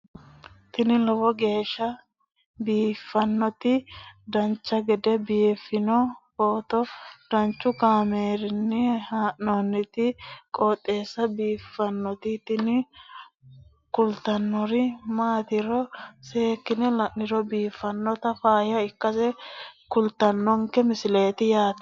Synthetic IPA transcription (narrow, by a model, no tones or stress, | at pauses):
t̪ɪnɪlɔwɔɡe̞ːʃːɐ | biːfːɐnːɔt̪ɪd̪ɐnt͡ʃːɐɡɛd̪ɛbɪjɛfːɪnɔfoːt̪ɔd̪̥ɐnt͡ʃːʊkaːmeːɾɪnːɪhaːʔoːnːɪt̪ɪkʼɔːt̪ʼːeːsːɐbiːfːɐnːɔt̪ɪt̪ɪnɪ | kʊlt̪ɐnːɔɾɪmaːt̪ɪɾɔseːkːɪnɛlɐʔɪɾɔbiːfːɐnːɔt̪ɐfaːjɐɪkːɐsɛkʊlt̪ɐnːɔŋkɛmɪsɪle̞ːt̪ɪjaːt̪ɐ̥